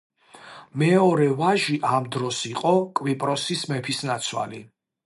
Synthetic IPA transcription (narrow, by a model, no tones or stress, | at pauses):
mɛɔɾɛvaʒiʔamd̪ɾɔsiqʼɔkʼwipʼɾɔsismɛpʰisnat̪sʰwa̰li